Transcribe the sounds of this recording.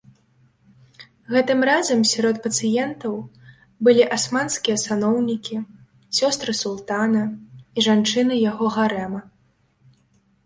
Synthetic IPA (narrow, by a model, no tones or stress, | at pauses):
ɣɛt̪ɨmrazɐmsʲaɾɔt̪pɐt̪sɨjɛnt̪ɐw | bɨlʲiʔasmanskʲijɐsanɔwnʲikʲi | sʲɔst̪ɾɨsulˠt̪anɐiʐant͡ʂɨnɨjaɣɔɣaɾɛmɐ